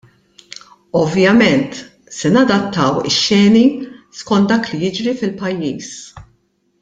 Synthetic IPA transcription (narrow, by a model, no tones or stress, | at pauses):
ɔvjɐmɛnt̪ | sɛnɐd̪ɐt̪ːɐwɪ̰ʃːɛːniskɔnt̪̚d̪ɐːklijɪd͡ʒɾifɪlpɐjːiːs